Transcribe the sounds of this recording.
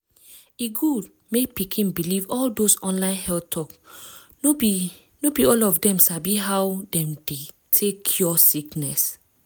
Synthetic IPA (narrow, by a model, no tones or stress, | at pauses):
iɡud | mepikʰĩnbilivɔldosɔ̃nlãɪ̃nhɛlttʰɔk | nobiɔlɔfdɛ̃msabiɦawdɛ̃mde | tʰekʰjɔsiknɛs